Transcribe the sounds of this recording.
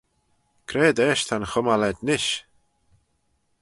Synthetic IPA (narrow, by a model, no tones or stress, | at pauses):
kʰɾɛːd̪ɛːʃt̪ʰanxʊmalɛd̪nɪʃ